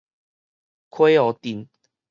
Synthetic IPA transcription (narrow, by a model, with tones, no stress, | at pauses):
kʰwe˦ɔ˨˦t̪i˨˩˦n